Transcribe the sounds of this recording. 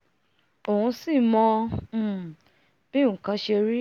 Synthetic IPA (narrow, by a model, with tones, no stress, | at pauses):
o˨hũ˧si˦˨mɔ̃˧˨ | b̥i˦ŋ̩˨kã˨˧˦ʃe˧ɾi˦